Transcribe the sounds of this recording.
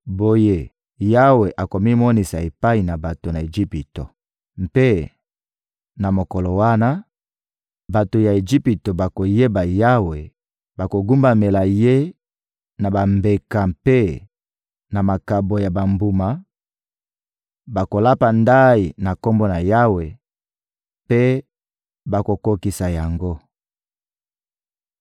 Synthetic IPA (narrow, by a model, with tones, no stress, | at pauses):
bo˨je˦ | ja˦we˨ʔa˨ko˨mi˦mɔ˦ni˨sa˨e˨pa˦i˨na˨ba˨to˨na˨e˨d͡ʒi˦pi˨to̰˨ | m˨pe˦ | na˨mo˨kɔ˨lo˨wa˦na˦ | ba˨to˨ja˨e˨d͡ʒi˦pi˨to˨ba˨ko˨je˦ba˨ja˦we˨ | ba˨ko˨ɡu˦mba˨me˨la˨je˦ | na˨ba˨mbe˨ka˨mpe˦ | na˨ma˨ka˨bo˨ja˨ba˨mbu˨ma˨ | ba˨ko˨la˦pa˨nda˦i˨na˨ko˦mbo˦na˨ja˦we˨ | pe˦ | ba˨ko˨ko˦ki˨sa˨ja˨ŋɡo˦